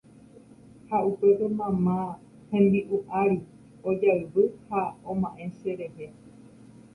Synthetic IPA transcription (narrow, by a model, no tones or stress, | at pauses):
haupe̞pe̞mãmã | hẽnd̪iʔuʔaɾi | od͡ʒaɨɾɨhaõmãʔẽ̞ʃe̞ɾehe